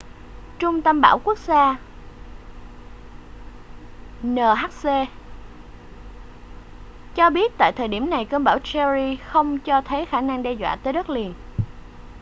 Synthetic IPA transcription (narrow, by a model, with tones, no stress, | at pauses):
t͡ɕʊ˧ŋ͡mt̪a˧mɓa̰ː˧˩wku˦˥ək̚zaː˧ | nəː˨˩ɦaː˦˥k̚se˧ | t͡ɕɔ˧ɓi˦˥ət̚t̪a̰ː˧˨jt̪ʰəː˨˩jɗi˧˩əmna˨˩jkəː˧nɓaː˧˩wt͡ɕɛ˧zi˧xə˧wŋ͡mt͡ɕɔ˧t̪ʰə˨˦jxaː˧˩na˧ŋɗɛ˧zwa̰ː˧˨t̪əː˨˦jɗə˦˥t̚li˨˩ən